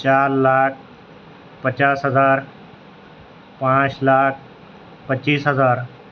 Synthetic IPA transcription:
t͡ɕaɾlak̚ | pət͡ɕasɦəd͡zaɾ | pãt͡slak̚ | pətːɕiːsɦəd͡zaɾ

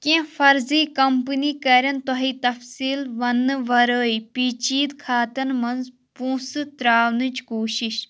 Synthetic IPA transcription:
kẽːfɐɾziːkɐmpəniːkɐɾʲɐnt̪ɔɦiːt̪ɐfsiːlʋɐnːɨʋɐɾəːipiːt͡ʃiːd̪kʰaːt̪ɐnmɐnz | pũːsɨt̪ɾaːʋnɨt͡ʃkoːʃiʃ

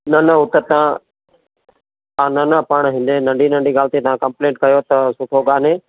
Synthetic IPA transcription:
nɐnəɦʊt̪ət̪ɐã | aːnɐnɐpɐɽ̃ɦɪ̃nd̪enɐ̃ɳɖʱiːnɐ̃ɳɖʱiɡaːlt̪it̪ɐʋ̤ãːkɐ̃mplẽːʈ̚kɐjot̪ɐsʊʈʰoɠaːneː

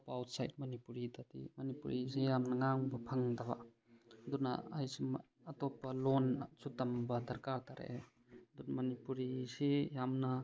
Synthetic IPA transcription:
pːwt̚sajt̚mɐnipuɾitatḭmɐnipṵɾisijamnɐŋaŋbɐpʰɐŋd̪aβa̰ | d̪una̰ajsim | ɐt̪ɔpɐlonsut̪ɐmbɐd̪ɐɾkaɾt̪aɾḛʔe | d̪unmɐnipuɾisijamnɐ

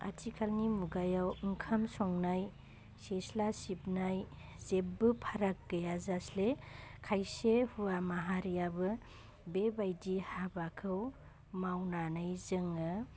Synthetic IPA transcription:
a̰tʰikʰalnimuɡajawɯŋkʰamsɔŋnaj | seslasipnaj | zep̚bɯpʰaɾak̚ɡajazaslekʰajsehuwamaɦaɾijabɯ | bebajdihabakʰɯw | mawnanɯjzɯŋɯ

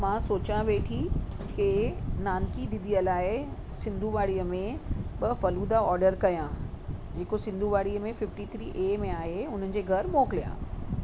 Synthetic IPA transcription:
mãsoːt͡ɕãʋeːʈʰi | kenaːnkid̪ɪ̃nd̪ijəlaːɪɪ | sɪ̃nd̪ʱuʋaːɽiːəmẽɓɐfɐluːd̪aɔːɾɖəɾkɐjã | d͡ʑeːkosɪ̃nd̪ʱuʋaːɽiəmẽfɪfʈit̪ʰɾiːʔeːmẽaːɦeʊn̤ənɪ̆d͡ʑeːɡʱɐɾmoːklijã̰ː

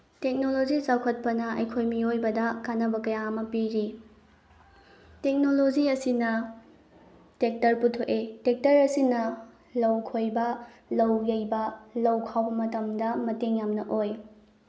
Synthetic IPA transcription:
tek̚nolod͡ʒizawkʰɐt̚pɐnɐɐjkʰojmiojbɐdɐkanɐbɐkɐjaɐmɐpiɾi | tek̚nolod͡ʒiɐsinɐ | tek̚tɐɾputʰoʔetek̚tɐɾɐsinɐ | lɐwkʰojbɐ | lɐwjɐjbɐlɐwkʰawbɐmɐtɐmdɐmɐteŋjamnɐʔoj

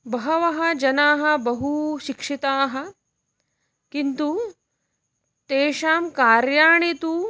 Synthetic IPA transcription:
bɐɦɐʋɐɦɐ̆d͡ʒɐnaːɦɐ̆bɐɦuʃikʂit̪aːɦɐ̆ | kint̪u | t̪eːʃaːmkaːɾjaːɳet̪u

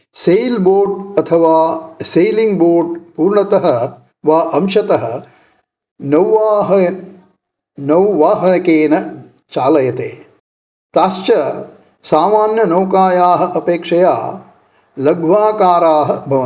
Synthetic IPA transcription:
sejlboːɖɐt̪ʰɐʋaːsejliŋɡboːɾɖpuːɾɳɐt̪ɐɦɐ̆ | ʋaːʔɐmʃɐt̪ɐɦɐ̆ | nɐwʋaːɦɐ | nɐwʋaːɦɐnɐkeːnɐ | t͡ʃaːlɐjɐt̪ḛː | t̪aːst͡ʃɐ | saːmaːnjɐnɐwkaːjaːɦɐ̆ʔɐpeːkʂɐja̰ː | lɐɡʋaːkaːɾaːɦɐ̆bʱɐʋɐ

